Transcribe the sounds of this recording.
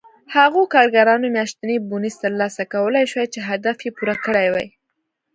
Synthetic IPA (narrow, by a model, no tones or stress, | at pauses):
haɣokɑɾɡaɾɑnomjɑʃt̪nebunizt̪əɾlɑsakawəlajʃwajt͡ʃeɦad̪afjepuɾakəɽajwa̰j